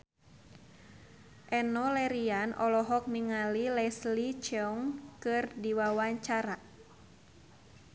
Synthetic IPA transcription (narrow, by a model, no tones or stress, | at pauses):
ʔɛnɔlɛɾianʔɔlɔɦɔk̚niŋalilɛslit͡ʃɛɔŋkɨrdiwawaɲt͡ʃaɾa